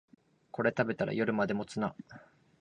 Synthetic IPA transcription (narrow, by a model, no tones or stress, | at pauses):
ko̞ɾe̞t̪abe̞t̪aɾa̰jo̞ɾɯ̟mad̪e̞mo̞t͡sɨna